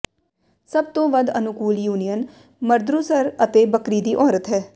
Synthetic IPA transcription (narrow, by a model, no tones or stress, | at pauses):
səb̚t̪õːʋəd̪ənʊkuːljuːnijən | məɾd̪ɾuːsəɾət̪eːbəkɾiːd̪iːʔɔːɾət̪ɦɛː